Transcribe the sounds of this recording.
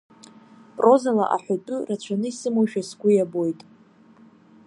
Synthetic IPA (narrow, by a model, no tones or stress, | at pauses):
pʼro̞zala̰ʔa̰ħʷatʼʊrat͡ɕʷʰanɨisɨmoʃᶣasɡʷʼʊjabo̞jtʼ